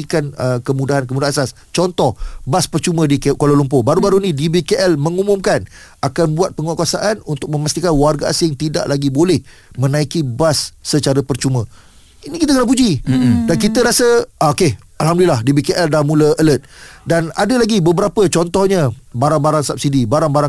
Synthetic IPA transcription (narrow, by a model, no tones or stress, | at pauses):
ikanəkəmudaɦankəmudaasas | t͡ʃɔnt̪ɔhbaspərt͡ʃumə̃dikkololumpʊbaɾubaɾunĩdibikeʔɛlmə̃ŋumʊ̃mkan | akanbuat̪̚pəŋuakuasaʔanunt̪ʊk̚mə̃mast̪ikanwarɡaa̰sɪŋt̪ida̰ʔlaɡibolɛh | mə̃nãikibasːət͡ʃaɾəpərt͡ʃumə̃ | inĩkit̪aəkənap̬ud͡ʒidank̬it̪əɾasəakeh | alɦamdulilahdibikeʔɛldamũləələt̪̚dana̰dəlaɡibəbəɾapət͡ʃɔnt̪ɔhɲə̃baɾaŋbaɾaŋsap̚sidibaɾaŋbaɾaŋ